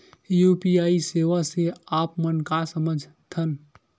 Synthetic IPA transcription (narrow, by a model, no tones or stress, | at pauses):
jupiaːiseʋaseaːpmənkasəməd͡ʒʱt̪ʰən